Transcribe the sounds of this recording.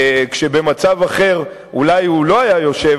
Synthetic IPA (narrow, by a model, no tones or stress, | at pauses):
kʃe̞be̞mat͡savaχe̞ʁ | ulajulo̞ajajo̞ʃe̞v